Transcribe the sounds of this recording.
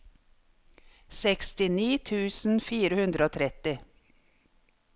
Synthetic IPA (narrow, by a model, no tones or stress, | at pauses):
sɛkst̪ɪniːt̪ʰʉːsn̩fiːɾəhʉnd̪ɾəoːt̪ʰɾɛt̪ɪ